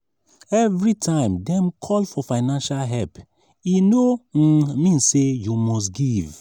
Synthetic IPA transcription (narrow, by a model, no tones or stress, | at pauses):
ɛvɹitʰãɪ̃mdɛ̃mkʰɔlfɔfãɪnãnʃalɦɛlp | inomĩnsejumɔstɡiv